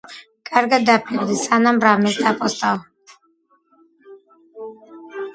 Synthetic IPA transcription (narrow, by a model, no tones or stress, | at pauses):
kʼaɾɡad̪ːapʰiɾd̪isanamɾavmɛsd̪apʰʼɔst̪ʼav